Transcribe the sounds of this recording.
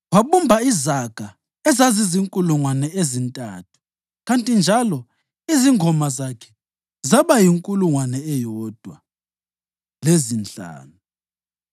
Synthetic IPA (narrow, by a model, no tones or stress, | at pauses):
waɓumbʱaizaɡ̥ʱa | ɛzaziziŋkʼuluŋwanɛezintʼa̰ːtʰu̥ | ɣantʼind͡ʒʱalɔ | iziŋʱɔmazakʰɛ̥ | zaβajiŋkʼuluŋwanɛɛjɔːd̥ʱwa | lezint͡ɬʼa̰ːnu